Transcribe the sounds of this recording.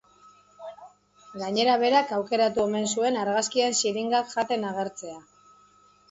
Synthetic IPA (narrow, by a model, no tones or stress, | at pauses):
ɡaɲe̞ɾaβe̞ɾakawke̞ɾat̪ue̞me̞nsue̞naɾɣaskiensiɾiŋɡakʝat̪e̞naɣ̞e̞ɾt͡se̞a